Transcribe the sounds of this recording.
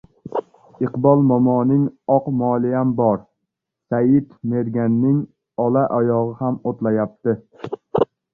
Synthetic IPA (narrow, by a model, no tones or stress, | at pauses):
ɪqbɒlˠmɒmɒːnɪŋɒqmɒlˠijambɒɾ | sajɪt̪me̞ɾɡʲanːɪŋ | ɒlˠaʔɒjɒʁɨhamot̪lajap̚t̪ɪ